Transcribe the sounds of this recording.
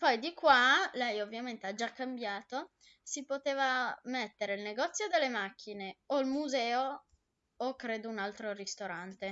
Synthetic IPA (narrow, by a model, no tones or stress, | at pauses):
pɔjd̪ikwalɛjovːjament̪ead͡ʒakːambjaːt̪o | sipot̪eːvamet̪ːeɾeilneɡɔt̪sːjod̪elːemak̟ːineoilmuzɛːo | okːɾeːd̪ounalt̪ɾoɾist̪oɾant̪e